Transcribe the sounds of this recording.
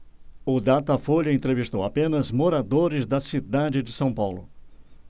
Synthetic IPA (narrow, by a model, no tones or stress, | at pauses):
ʊd̪at̪ɐfoʎɐẽnt̪ɾevist̪owa̰pẽnɐzmoɾad̪oɾɪzd̪ɐsid̪ad͡ʒɪd͡ʒɪsɐ̃w̃pawlʊ̰